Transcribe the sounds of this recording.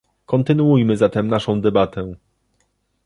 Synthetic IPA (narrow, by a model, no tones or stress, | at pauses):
kɔnt̪ɘnuujmɘzat̪ɛmnaʂɔ̃w̃d̪ɛbat̪ɛ